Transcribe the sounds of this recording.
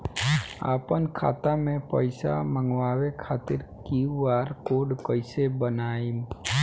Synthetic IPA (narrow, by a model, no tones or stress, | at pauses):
a̰ːpənkʰa̰ːt̪amẽpəɪsa̰mə̃ŋɡwaːwekʰaːt̪ɪɾkiwaːɾkoːɖkəɪsebənaːim